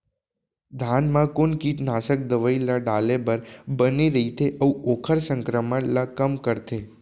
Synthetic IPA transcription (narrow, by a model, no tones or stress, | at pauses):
d̪ʱanmãkonkiʈnasək̚d̪əʋəilaɖalebəɾbəniɾəɦit̪ʰeʔəũokʰəɾsəŋkɾəmələkəmkəɾt̪ʰe